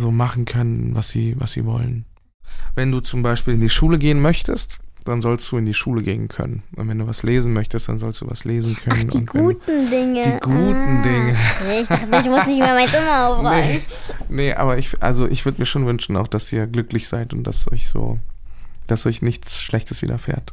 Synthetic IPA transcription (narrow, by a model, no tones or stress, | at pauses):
zoːmaχn̩kʰœnənvasz̥ḭːva̰sz̥ḭːvɔ̰lə̰n | vɛnduːt͡sʊmbaɪʃpiːlɪndiːʃuːləɡeːənmœçtʰəstd̥anzɔlst̚d̥uːɪndiːʃuːləɡeːənkʰœ̰nənʔʊ̰ntvɛnduːvasleːzn̩mœçtəstd̥a̰nzɔlstd̥ṵːva̰sleːzn̩kʰœnənʔʊ̥ḭntɡuːtn̩dɪŋəd̥iːɡuːtn̩dɪŋəɪç̥aɪçmʊsnɪçtmːɐmaɪnt͡sɪmɐaʊfaənəʔa̰ːbɐɪçʔa̰lzoʔɪ̰çv̥ʏɐdəmiːɐʃoːnvʏnʃn̩aʊxd̥asʔiːɐɡlʏklɪçz̥aɪtʊnt̚d̥a̰sʔɔ̰ʏçz̥o̰ː | d̥asʔɔɪçnɪçt͡sʃlɛçtəsv̥ḭːdʔɐ̰fḛːɐt